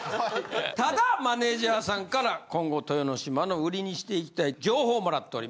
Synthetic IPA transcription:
t̪ad̪amane̞ːʑaːsãŋkaɾakõ̞ŋɡo̞t̪o̞jono̞ɕimano̞ɯ̟ɾʲiɲ̟iɕi̥t̪e̞ikʲi̥t̪aid͡ʑo̞ːho̞ːmo̞ɾat̪ːe̞o̞ɾḭmas

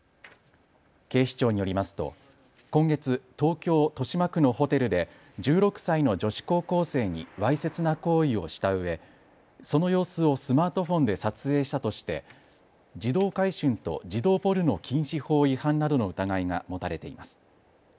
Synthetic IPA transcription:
ke̞ːɕi̥t͡ɕo̞ːɲ̟ijo̞ɾʲimasɨ̥t̪o̞̰ | kõ̞ŋɡe̞t͡sɨt̪o̞ːkʲo̞ːt̪o̞ɕimakɯ̟no̞ho̞t̪e̞ɾɯ̟d̪e̞ | d͡ʑɨːɾo̞kɯ̟̥saino̞d͡ʑo̞ɕi̥ko̞ːko̞ːse̞ːɲ̟ḭβaise̞t͡sɨnako̞ːio̞ɕi̥t̪aɯ̟βe̞ | so̞no̞jo̞ːsɨo̞sɨmaːt̪o̞ɸõ̞nd̪e̞sat͡sɨe̞ːɕi̥t̪at̪o̞ɕi̥t̪e̞̰ | d͡ʑid̪o̞ːkaiɕɨ̃nt̪o̞̰d͡ʑid̪o̞ːpo̞ɾɯ̟no̞kʲʰĩɰ̃ɕiho̞ːihãnnad̪o̞no̞ɯ̟t̪aɡaiŋa̰mo̞t̪aɾe̞t̪e̞imasɨ̥

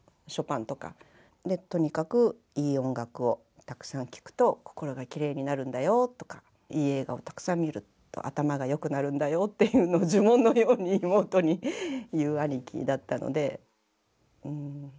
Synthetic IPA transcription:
ɕo̞pãnt̪o̞ka̰ | d̪e̞t̪o̞ɲ̟ikakɯ̟ | iːõ̞ŋɡakɯ̟o̞ | t̪akɯ̟̥sãŋkʲi̥kɯ̥t̪o̞ko̞̥ko̞ɾo̞ɡakʲiɾe̞ːɲ̟inaɾɯ̟̃nd̪ajo̞t̪ːo̞ka | iːe̞ːɡa̰o̞̰t̪ḁkɯ̟̥sãmʲːiɾɯ̟ | t̪ːo̞̰ʔa̰t̪amaɡajo̞kɯ̟naɾɯ̟̃nd̪ajo̞t̪ːe̞jɯ̟ːno̞ːd͡ʑɨmõ̞nːo̞jo̞ːɲ̟iːmo̞ːt̪o̞ɲ̟ijɯːaɲʲikʲḭd̪at̪ːano̰d̪e̞ | ɯ̟̃ɴ

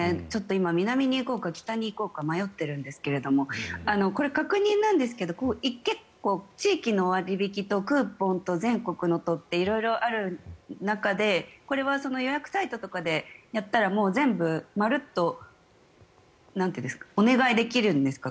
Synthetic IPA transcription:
et͡ɕo̞t̪ːo̞imamʲinamʲiɲ̟iːko̞ːkakʲi̥t̪aɲ̟iːko̞ːkamajo̞t̪ːe̞ɾɯ̟̃nd̪e̞sɨ̥ke̞ɾe̞d̪o̞mo̞ano̞ko̞ɾe̞kakɯ̟ɲ̟ĩnːãnd̪e̞s̬ɨ̥ke̞d̪o̞koːʔikːe̞kːo̞ːt͡ɕiːkʲino̞βaɾʲibʲikʲit̪o̞kɯ̟ːpõ̞nt̪o̞zẽ̞ŋko̞kɯ̟no̞t̪o̞t̪ːe̞iɾo̞iɾo̞ʔaɾɯ̟nakad̪e̞ko̞ɾe̞βaso̞no̞jo̞jakɯ̟̥sait̪o̞t̪o̞kad̪e̞jat̪ːaɾamo̞ːzẽ̞mbɯ̟maɾɯ̟t̪ːo̞ | nãne̟nskḁone̞ɡaid̪e̞kʲiɾɯ̟̃nd̪e̞sɨ̥ka

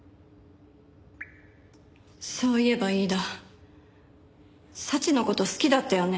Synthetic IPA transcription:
so̞ːie̞baiːd̪a | sat͡ɕino̞ko̞t̪o̞sɨ̥kʲid̪at̪ːajo̞ne̞

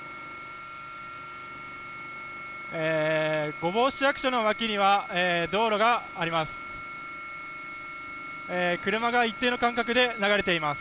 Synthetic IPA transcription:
eːɡo̞bo̞ːɕijakɯ̟ɕano̞βakʲiɲ̟iβaeːd̪o̞ːɾo̞ɡaːɾʲimasɨ̥ | eːkɯ̟ɾɯ̟maɡait̪ːeːno̞kãŋkakɯ̟d̪e̞naɡaɾe̞t̪e̞imasɨ̥

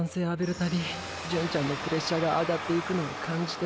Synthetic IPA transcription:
nseːabeɾɯt̪aɾʲi | d͡ʑɯ̃ɲt͡ɕanːopɯɾesaɡaʔad̪at̪ːeikɯnookʰãɲd͡ʑi̥t̪e

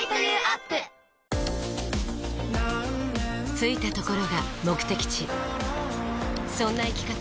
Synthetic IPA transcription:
at̪ː | t͡sɨit̪at̪o̞ko̞ɾo̞ɡamo̞kɯ̟̥t̪e̞kʲi̥t͡ɕi | sõ̞nːaikʲi̥ka

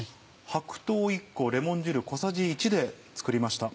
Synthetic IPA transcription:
hakɯ̟̥t̪o̞ːikːo̞ɾe̞mõ̞ɲ̟d͡ʑɨɾɯ̟ko̞saʑiːt͡ɕid̪e̞t͡sɨ̥kɯ̟ɾʲimaɕi̥t̪a

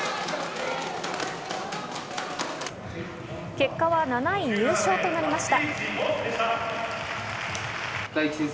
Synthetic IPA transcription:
ke̞kːaβananaiɲɯːɕo̞ːt̪o̞naɾʲimaɕi̥t̪a | ai

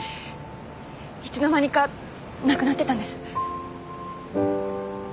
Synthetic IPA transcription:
çi̥t͡sɨno̞maɲ̟ika | nakɯ̟nat̪ːe̞ãnd̪e̞sɨ̥

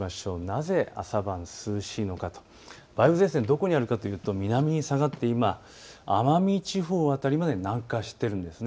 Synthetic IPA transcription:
aɕo̞ːnaze̞a̰sabãñsɨːɕino̞kat̪o̥ | b̥aibɯzẽ̞ːs̬ẽ̞nd̪o̞ko̞ɲ̟iaɾɯ̟kat̪o̞jɯ̟ːt̪o̞mʲinamʲiɲ̟isaɡat̪ːe̞imaː | mamʲit͡ɕiɸo̞ːat̪aɾʲimad̪e̞nãŋkaɕi̥t̪ːe̞ɾɯ̟̃nd̪e̞sɨne

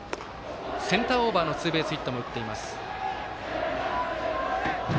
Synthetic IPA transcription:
sẽ̞nt̪aːo̞ːbaːno̞t͡sɨːbe̞ːsɨit̪ːo̞mo̞ɯ̟t̪ːe̞imasɨ̥

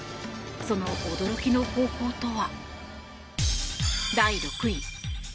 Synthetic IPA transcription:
so̞no̞ʔːd̪o̞ɾo̞kʲino̞ho̞ːko̞ːt̪o̞βa | d̪aiɾo̞kɯ̟i

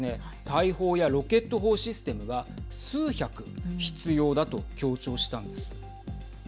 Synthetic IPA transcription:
e̞ | t̪aiho̞ːjaɾo̞ke̞t̪ːo̞ɦo̞ːɕisɨ̥t̪e̞mɯ̟ɡasɨːçakɯ̟çi̥t͡sɨjo̞ːd̪at̪o̞kʲo̞ːt͡ɕo̞ːɕi̥t̪ãnd̪e̞sɨ̥

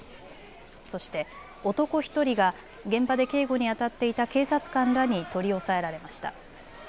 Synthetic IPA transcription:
so̞ɕi̥t̪e̞ | o̞t̪o̞ko̞çi̥t̪o̞ɾʲiɡa | ɡẽ̞mbad̪e̞ke̞ːɡo̞ɲ̟iat̪at̪ːe̞it̪ake̞ːsat͡sɨ̥kãnɾaɲ̟it̪o̞ɾʲio̞sae̞ɾaɾe̞maɕi̥t̪a̰

